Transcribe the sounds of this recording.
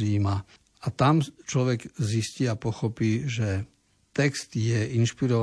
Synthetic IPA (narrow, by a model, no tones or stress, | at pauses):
iːma | at̪amt͡ʃlɔʋɛɡzisciapɔxɔpiːʒɛ | t̪ɛkst̪jɛinʃpiɾɔʋ